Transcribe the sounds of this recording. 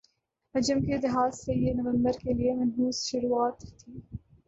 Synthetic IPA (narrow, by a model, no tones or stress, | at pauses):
ɐd͡ʒəmked̪ɪɦaːzːejenɐʋə̃mbəɾkeliemɐnfuːz̥ʃʊɾuaːt̪t̪ʰiː